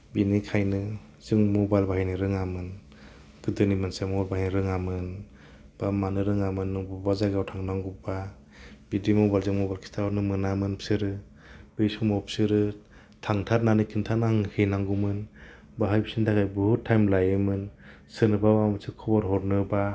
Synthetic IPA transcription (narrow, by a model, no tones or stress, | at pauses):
binikʰajnɯ | z̥ɯŋmɔbajlbaɦajnɯɾɯŋamɯn | ɡ̥ɯdɯnimansemɔɾbaɦajniɾɯŋamɯn | b̥amanɯɾɯŋamɯnːɯŋbɔbazaɡawtʰaŋnaŋɡuba | bidimɔbajlzɯŋmɔbajlkʰi̥stʰaɔɾnɯmɯnamɯnpʰsɯɾɯ | b̥ɯjsɔmɔpʰsɯɾɯ | tʰaŋtʰaɾ̚nanikʰintʰanaŋhʰɯjnaŋɡumɯn | baɦajbisintʰakʰajbuhutʰːajmlajɯmɯn | sɯnɯbabamɯsʰɯkʰɔbɔɾɦɔɾnɯba